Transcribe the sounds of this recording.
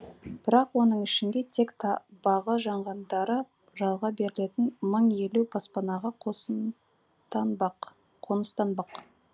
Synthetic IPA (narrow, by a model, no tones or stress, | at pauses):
b̥ɪɾɑqwo̞nəɴɪʃɪŋɡ̪ʲe̞t̪ʰe̞kt̪ʰɑbɑʁəʒɑɴʁɑnd̪ɑɾə | ʒɑlˠʁɑbe̞ɾɪle̞t̪ɪnməɴje̞lupʰɑspɑnɑʁɑqʰos | t̪ɑq | qʰo̞nəst̪ɑnbɑq